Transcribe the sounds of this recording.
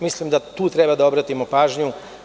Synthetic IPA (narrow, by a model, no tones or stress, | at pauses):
mislimd̪at̪uːt̪ɾebad̪ao̞bɾat̪imopaːʒɲu